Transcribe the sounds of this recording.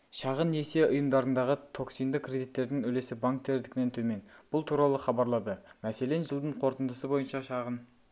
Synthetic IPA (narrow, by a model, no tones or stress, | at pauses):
ʃɑʁəne̞se̞ʊjəmd̪ɑɾənd̪ɑʁət̪ʰo̞ksijnd̪əkʰrʲe̞d̪it̪ːe̞ɾd̪ɪŋɵle̞sɪbaŋk̚t̪ʰe̞ɾd̪ɪkʲɪne̞nt̪ʰɵme̞nb̥ʊlˠt̪ʰuɾɑlˠəχɑbɑɾlˠɑd̪əmæse̞le̞nʒəlˠd̪əɴqʰo̞ɾt̪ənd̪əsəbo̞jənʃɑʃɑʁən